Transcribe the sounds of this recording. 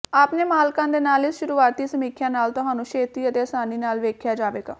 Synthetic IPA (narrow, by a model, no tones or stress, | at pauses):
aːpneːmaːlkãːd̪eːnaːlɪsʃʊɾuːaːt̪iːsəmiːkʰjãːnaːlt̪ʊɦãːnũːʃʰeːt̪iːət̪eːəsaːniːnaːlʋeːkʰjaːd͡ʒaːʋeːɡa̰ː